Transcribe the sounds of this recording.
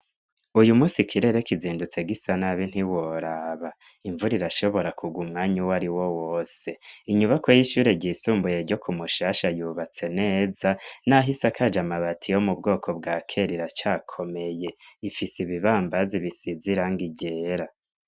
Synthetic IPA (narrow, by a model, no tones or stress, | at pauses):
ujumuːsikʰiɾe̞ɾe̞kiziːndut͡se̞ɡisanaβin̥iwoɾaβa | iɱvuɾiɾaʃo̞βo̞ɾakʰuɡumŋaːɲuwaɾiwo̞woːse̞iɲuβakojiʃuːɾe̞ɟiːsuːmbujeɾɟo̞kʰumuʃaʃajuːβat͡se̞ne̞ːzanaɦisakʰad͡ʒamaβatʰijomubɡo̞ːkʰo̞bɡaːkʰe̞ɾiɾat͡ʃaːkʰo̞me̞je̞ifisiβiβaːmbaziβisiziɾaŋɡiɟe̞ːɾa